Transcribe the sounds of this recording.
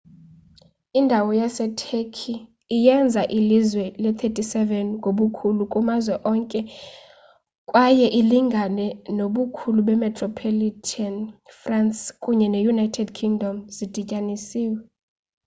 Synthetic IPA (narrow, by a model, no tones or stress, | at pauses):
indʱawɔjasɛtʰekʰiː | jɛnd͡zʱaʔilizwɛlɛt̪ʰetʼisɛvɛnɡʱʼoɓukʰulukʼumazwɛʔɔŋkʼɛ | kʼwajɛʔiliŋɡʱanɛnoɓukʰuluɓɛmɛtʰʼrɔpʰolitʰanfranskʼuɲɛnejunajtʰɛdkʰiŋdʱɔmzid̥ʱicʼanisiːwɛ